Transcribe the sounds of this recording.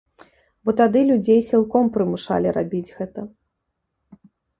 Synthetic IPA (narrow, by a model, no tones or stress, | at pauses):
bɔt̪ad̪ɨlʲud͡zʲejsʲilˠkɔmpɾɨmuʂa̰lʲiɾa̰bʲid͡zʲɣɛt̪ɐ